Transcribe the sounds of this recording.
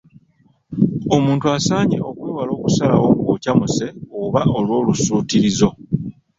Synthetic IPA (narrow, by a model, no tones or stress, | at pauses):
omuːntuasaːɲḛʔo̞kwe̞ːwalo̞ːkusala̰wo̞kuwoːcamuse̞oβao̞lwo̞ːlusuːtiɾizo̞